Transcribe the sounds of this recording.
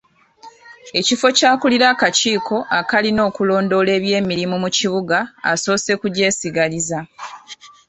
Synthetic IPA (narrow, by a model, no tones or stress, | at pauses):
e̞cifo̞caːkuliɾaːkaciːkʰo̞ʔakalino̞ːkulo̞ːndo̞le̞ːβje̞ːmiɾimumuciβuɡa̰ːso̞ːse̞kuɟe̞ːsiɡaliza